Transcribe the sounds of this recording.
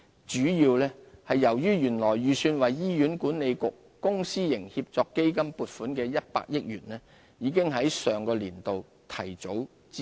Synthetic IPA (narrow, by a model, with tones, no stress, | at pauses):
t͡ʃyː˨˥jiː˧wlɛː˥hɐ˨jːɐ˨˩wjyː˥jyː˨˩nlɔː˨˩jɥyː˨syː˧nwɐ˨jːiː˥jyː˨˥nkuː˨˥nne˨˧jkʊ˨k̚ | kʊ˥ŋsiː˥jɪ˨˩ŋhi˧p̚t͡sɔː˧kːe˥jkɐ˥mpuː˨˧t̚fuː˨˥nkɛː˧jɐ˥t̚pa̰ː˧k̚jɪ˥k̚jyː˨˩nlɛː˥ | jiː˨˧kɪ˥ŋɦɐ˨˥jsœː˨ŋkɔː˧liː˨˩nt̪o˨w | t̪ʰɐ˨˩jt͡so˨˥w | t͡sː